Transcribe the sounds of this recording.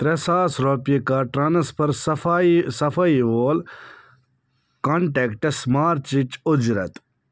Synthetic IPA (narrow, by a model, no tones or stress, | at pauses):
t̪ɾesaːsɾopjekaːʈɾɐnɐspʰɐɾsɐfasɐfɐiʋoːl | koɳʈeːkʈɐsmaːɾt̪t͡ʃit͡ʃʊd͡ʒɾɐ̰t̪